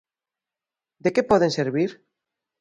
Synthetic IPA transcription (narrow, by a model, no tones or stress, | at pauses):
d̪ekepɔð̞ẽnseɾβiɾ